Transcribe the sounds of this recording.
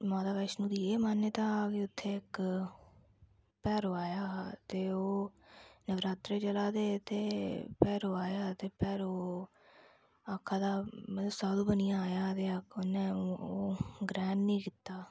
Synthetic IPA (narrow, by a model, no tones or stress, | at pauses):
maːd̪aːʋɛːʃnũːd̪iːeːmənːeːt̪ãːaːkeːʊt̪ʰːeːɪk | pɛːɾoːaːjaːt̪eːoː | nəʋɾaːt̪ɾeːt͡ʃəlaːd̪eːt̪eːpɛːɾoːaːjaːt̪eːpɛːɾoː | aːkʰːaːd̪aːmət̪əsaːd̪uːbənɪjãːaːjaːt̪eːəkʰːonẽːoːɡɾɛːnnĩːkɪt̪ːaː